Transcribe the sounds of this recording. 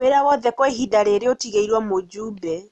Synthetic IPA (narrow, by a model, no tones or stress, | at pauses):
eɾawɔðɛkweɦidaɾeɾeotiɣeiɾwamod͡ʒuːbɛ